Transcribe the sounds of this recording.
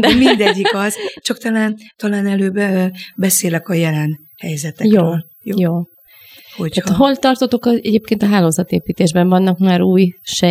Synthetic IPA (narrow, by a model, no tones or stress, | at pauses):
d̪ɛmind̪ɛɟːikɒzt͡ʃɒk̚t̪ɒlaːnt̪ɒlaːnɛløːbɛseːlɛkɒjɛlɛn | hɛjzɛt̪ɛjjoːøːl | jojoː | hhoc̪t̪aːɦo̞lt̪ɒrt̪ot̪okɒɛɟeːp̚keːnt̪ɒɦaːloːzɒt̪eːpiːt̪eːʒbɛɱvɒnːɒkmaːɾuːjʃɛ